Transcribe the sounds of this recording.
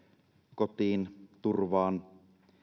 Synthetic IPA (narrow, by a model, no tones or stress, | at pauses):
kot̪iːnt̪urʋɑːn